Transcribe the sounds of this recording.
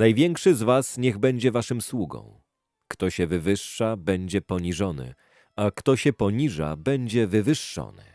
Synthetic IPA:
najvʲjɛŋkʂɘzvasɲɛɣbɛɲd͡ʑɛvaʂɘmswuɡɔ̰̃w̃ | kt̪ɔɕɛvɘvɘʂːabɛɲd͡ʑɛpɔɲiʐɔnɘ̰ | akt̪ɔɕɛpɔɲiʐa̰bɛɲd͡ʑɛvɘvɘʂːɔ̰nɘ̰

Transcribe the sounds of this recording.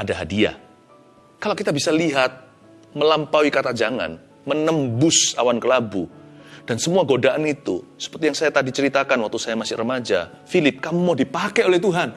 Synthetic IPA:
adaɦadia̰ | kalawkit̪abisaliɦat̪̚ | məlampawikat̪ad͡ʒaŋa̰n | mənəmbʊsawankəlabud̥ansəmuaɡodaʔanit̪ṵsə̥pərt̪ijaŋsajat̪adit͡ʃəɾit̪akanwak̚t̪usajamasɪhrəmad͡ʒa̰ | filɪp̚kamumodipakeolɛht̪uɦan

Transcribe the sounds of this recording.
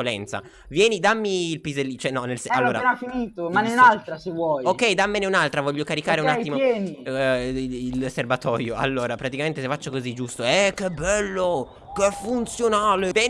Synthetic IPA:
olɛ̰nt̪sa̰ | vjɛːnid̪amːiːlpizelːit͡ʃɛnːɔnːelsalːoːɾaafːiniːt̪omaneunalt̪ɾasevwɔjokɛjd̪amːeneunalt̪ɾavɔʎːokaɾikaːɾeunatːimojɛːni | ilserbat̪ɔ̰ːjoa̰lːoːɾapɾat̪ikament̪esefat͡ʃːokozid͡ʒust̪oɛkːebːɛlːo | kefːunt̪sjonaːlebɛ

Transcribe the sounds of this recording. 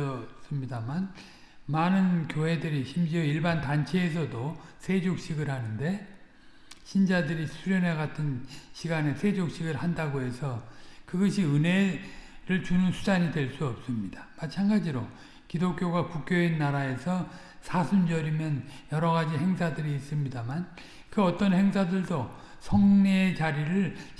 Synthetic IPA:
ʌs͈ɯmɲidaman | manɯnkjoɦe̞dɯɾiɕʰimd͡ʑiʌiɭbantant͡ɕʰe̞ːs̬ʰʌdosʰe̞d͡ʑok̚ɕ͈iɡɯɭhanɯnde̞ | ɕʰind͡ʑadɯɾisʰuɾjʌne̞ɡatʰɯnɕʰiɡanesʰe̞d͡ʑok̚ɕ͈iɡɯɭhandaɡoɦe̞sʰʌkɯɡʌɕʰiɯne̞ɾɯɭt͡ɕunɯnsʰud͡ʑaɲidweɭs͈uʌp̚s͈ɯmɲid̥amat͡ɕʰanɡad͡ʑiɾo | kidok͈̚joɡakuk̚k͈joinːaɾae̞sʰʌ | sʰasʰund͡ʑʌɾimjʌnjʌɾʌɣad͡ʑiɦe̞ŋsʰadɯɾiːs͈ɯmɲidaman | kɯʌt͈ʌnhe̞ŋsʰadɯɭdo | sʰʌŋneːt͡ɕaɾiɾɯɭ

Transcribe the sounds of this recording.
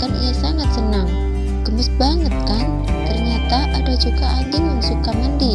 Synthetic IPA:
kanʔḭjasaŋat̪̚sənaŋ | ɡ̥əmɪsbaŋət̪̚kan | t̪ərɲat̪aʔadad͡ʒukaʔaɲd͡ʒɪŋjaŋsukaməndi

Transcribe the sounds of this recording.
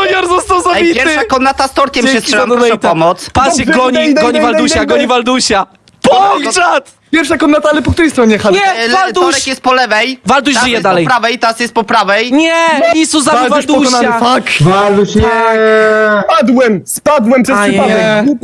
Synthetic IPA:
ɔjaɾzɔst̪azɔvitpjɛɾʂakɔnːat̪ast̪ɔɾkʲɛmɕɛst̪ɛamɾʂɛp̪ɔmɔt̪spaɛklɔɲiɡɔɲivaluɕaɡɔɲivald̪uɕa | pɔɡzat̪ | pʲjɛɾfʂakɔnːat̪aalɛpɔk̚t̪uɾɛjst̪ɾɔɲɛxaɲɛlalt̪d̪ɔɛkjɛst̪̚pɔlɛvɛjvald̪uɕʒijɛd̪alɛjpɾavɛjt̪ɔɾasjɛst̪pɔpɾavɛjɲɛmɔɲisuzavavad̪ɔkɔanafakvald̪uɛ | pad̪wɛmspad̪wɛmpʂɛsɲaɛ

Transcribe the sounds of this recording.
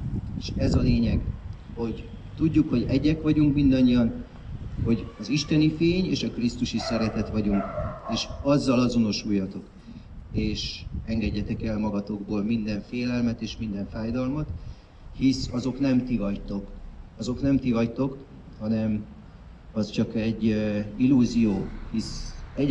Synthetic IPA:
eːʃɛzɒleːɲɛɡ | ho̞ɟ | t̪uɟːukho̞ɟɛɟːɛkʋɒɟuŋkmind̪ɒɲːijɒn | ho̞ɟɒziʃt̪ɛnifeːɲeːʃɒkrist̪uʃisɛɾɛt̪ɛt̪ʋɒɟuŋkeːʃɒzːɒlɒzo̞no̞ʃujːɒt̪o̞k | eːʃɛŋɡɛɟːɛt̪ɛkɛlmɒɡɒt̪o̞ɡboːlmind̪ɛɱfeːlɛlmɛt̪eːʃmind̪ɛɱfaːjd̪ɒlmɒt̪ | hisɒzo̞knɛmt̪ivɒct̪o̞kɒzo̞knɛmt̪ivɒct̪o̞k | hɒnɛm | ɒst͡ʃɒkɛɟːilːuːzijoːhisɛ

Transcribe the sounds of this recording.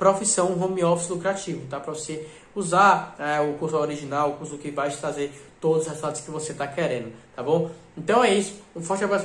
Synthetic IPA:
pɾofisɐ̃w̃ɦõmiɔfislukɾat͡ʃivʊt̪apɾɐvose | uzaɾɛʊkuɾsʊaɔɾiʒinawʊkuɾsʊkɪvajt̪ɾazeɾt̪od̪ʊzʊshezut̪at̪ʊskɪvoset̪akɛɾẽnd̪ʊt̪abõw̃ẽt̪ɐ̃w̃ɛisʊ̥ũfɔht͡ʃɪabɾas

